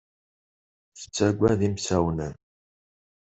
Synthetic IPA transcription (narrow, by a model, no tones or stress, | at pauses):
θə̥t͡sːæɡʷæðimsæwnən